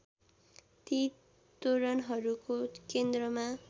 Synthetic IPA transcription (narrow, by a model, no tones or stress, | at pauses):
t̪i | t̪oɾʌnɦʌɾukokend̪rʌma